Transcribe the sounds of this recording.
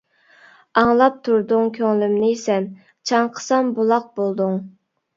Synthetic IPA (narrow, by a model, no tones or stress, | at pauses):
ɑŋlˠɑp̚t̪ʰuɾd̪ʊŋkʲʰøŋlymnɪsɛn | t͡ʃʰɑŋqʰə̥sɑmbulˠɑq̚bolˠd̪ʊŋ